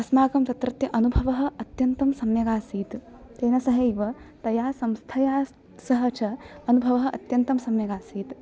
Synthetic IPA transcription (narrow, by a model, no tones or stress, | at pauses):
ɐsmaːkɐmt̪ɐt̪ɾɐt̪jɐʔɐnubʱɐʋɐɦɐ̆ɐt̪jɐnt̪ɐmsɐmjɐɡaːsiːt̪ | t̪eːnɐsɐɦɐjʋɐt̪ɐjaːsɐmst̪ʰɐjaː | sɐɦɐt͡ʃʰɐɐnubʱɐʋɐɦɐ̆ʔɐ̰t̪jɐnt̪ɐmsɐmjɐɡaːsiːt̪